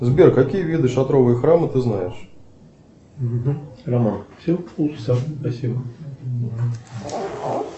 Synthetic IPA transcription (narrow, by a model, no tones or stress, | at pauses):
zʲbʲɛrkːakʲijɐvʲid̪ɨʂat̪ɾɔvɨjɐxɾamɨt̪ɨznajɛʂ | ɦ̩ramanfsʲɛwuaspasʲibɐ